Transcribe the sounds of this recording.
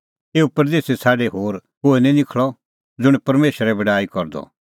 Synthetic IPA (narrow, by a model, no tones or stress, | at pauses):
eːupɐɾd̪eːsesʰaːɖeɦoːɾkoːinĩnɪkʰɭɔ | d͡zʊɽ̃pɐɾmeːʃəɾɛbɐɖaːikɔɾd̪ɔ̰